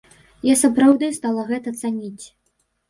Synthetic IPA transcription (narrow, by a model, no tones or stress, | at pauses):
jasapɾawd̪ɐjst̪alˠɐɣɛt̪ɐt̪sanʲit͡sʲ